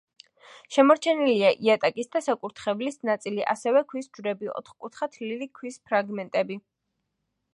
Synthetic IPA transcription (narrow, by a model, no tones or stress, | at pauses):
ʃɛmɔɾt͡ʃʰɛniliaʔiat̪ʼakʼisd̪asakʼuɾt̪ʰχɛvlisnat̪sʼiliʔa̰sɛvɛkʰwisd͡ʒɾɛbiɔ̰t̪ʰχkʼut̪ʰχat̪ʰlilikʰwispʰɾaɡmɛnt̪ʼɛbi